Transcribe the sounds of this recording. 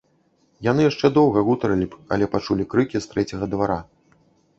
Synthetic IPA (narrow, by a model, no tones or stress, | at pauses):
janɨjaʂt͡ʂɛd̪ɔwɣɐɣut̪ɐɾɐlʲibɐ̰lʲɛpat͡ʂulʲikɾɨkʲist̪ɾɛt͡sʲɐɣɐd̪vaɾa